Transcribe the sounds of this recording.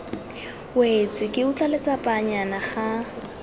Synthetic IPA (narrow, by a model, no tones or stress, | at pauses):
wet͡sʼɪkʼɪʊt͡ɬʼalet͡sʼapʼaɲanaχa